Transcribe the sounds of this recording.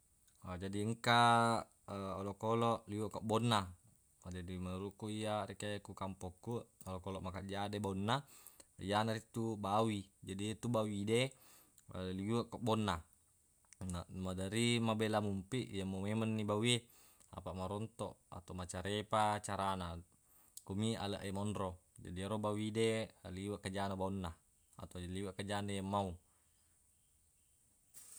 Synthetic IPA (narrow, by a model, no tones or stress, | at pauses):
ad͡ʒadiəŋka | olɔkolɔʔlioʔkaʔbɔnːa | d͡ʒadimanuɾuʔkːuijaɾikekukampɔkːuʔolokolɔʔmakaʔd͡ʒadebaunːa | ijanaɾit̪ubawid͡ʒadit̪ubawide | lioʔkoʔbɔnːa | namadaɾimabelamumpiʔjamomemanːibawe | a̰paʔmaɾɔnt̪ɔʔa̰t̪amat͡ʃaɾepat͡ʃaɾana | komia̰laʔemɔnɾo | d͡ʒa̰diɾobawidealiwaʔkad͡ʒanabaunːa | a̰t̪oaliwaʔkad͡ʒanejamːau